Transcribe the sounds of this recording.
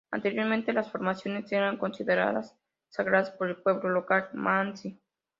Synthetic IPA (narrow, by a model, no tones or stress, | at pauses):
a̰nt̪e̞ɾjo̞ɾmẽnt̪e̞lasfo̞ɾmasjo̞ne̞seɾaŋko̞nsiðeɾa̰ða̰sː | aɣɾaðaspo̞ɾe̞lpwe̞βlo̞lo̞kalmansi